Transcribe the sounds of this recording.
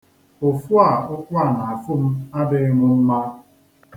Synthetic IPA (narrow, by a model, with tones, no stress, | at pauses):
o˨fu˦a˦˨ʊ˦kʷa˦˨na˨a˨fʊ˦m̩˦a˦dɪ˦ŋʊ˦m̩˦ma˦